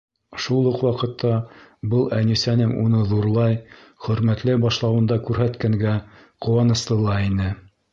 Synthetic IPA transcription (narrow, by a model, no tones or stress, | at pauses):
ʃulˠɤqwɑqɤ̆t̪ʰːɑbɤlˠænisænɘŋṵnɤðuɾlˠɑj | χɵ̆ɾmæt̪lɘbɑʃlˠɑwɤ̆nd̪ɑkʉɾɦæt̪kæŋɡæ | qŏwɑnɤ̆slˠɤ̆lˠɑinɘ